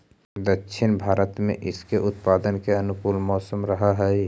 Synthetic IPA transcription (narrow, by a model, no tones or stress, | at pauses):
d̪əkːʃʰɪnbʱaːɾət̪mḛ̃ʔɪskeʔʊt̪paːd̪ənkeənʊkuːlmɔːsəmɾəɦaɦɛi